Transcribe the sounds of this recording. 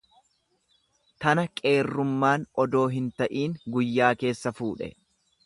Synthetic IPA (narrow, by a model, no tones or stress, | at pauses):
t̪ɐnɐkʼe̞ːrːʊmːaːnɔd̪o̞ːɦɪnt̪ɐʔiːŋɡʊjːaːke̞ːsːɐfuːᶑɛ̰